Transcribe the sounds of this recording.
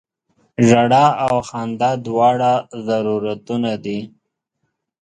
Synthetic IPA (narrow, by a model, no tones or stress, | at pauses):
ʒaɽaawxɑnd̪ad̪wɑɽazaɾuɾat̪unad̪i